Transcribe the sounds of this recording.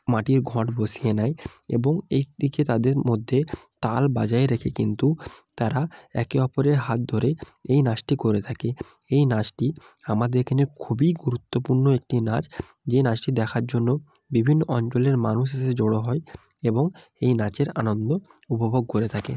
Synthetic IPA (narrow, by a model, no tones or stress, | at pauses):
maʈiɾɡʱɔʈbosijenaeḛboŋejd̪iket̪ad̪eɾmod̪ʱːet̪albad͡ʑaeɾekʰekint̪ut̪aɾaɛ̰keɔpoɾeɾɦat̪̚d̪ʱoɾe | ejnad͡ʑʈikoɾet̪ʰake | ejnad͡ʑʈi | amad̪eɾkʰaneɾkʰubiɡuɾut̪ːopuɾnoek̚ʈinad͡ʑ | d͡ʑenad͡ʑʈid̪ɛkʰaɾd͡ʑonːo | bibʱinːoʔɔnt͡ɕoleɾmanuʃ̬eʃed͡ʑoɽoɦɔe | eboŋ | ejnat͡ɕeɾanond̪o | upobʱoɡ̚koɾet̪ʰakḛ